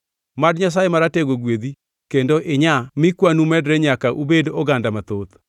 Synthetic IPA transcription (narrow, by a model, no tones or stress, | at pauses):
madɲas̬ajemaɾateɡoɡwed̪i | kendoʔɪɲamɪkwanumɛdɾɛɲakaʔubedɔɡandamat̪ot̪